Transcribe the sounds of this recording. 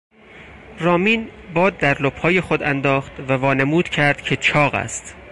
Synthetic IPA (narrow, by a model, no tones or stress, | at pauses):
rɒːmiːnbɒːd̪̚ːæɾlophɒːje̞xod̪ænd̪ɒːχt̪vævɒːnemuːd̪̥cʰæɾd̪̥cʰe̞t͡ʃʰɒːɣæ̰st̪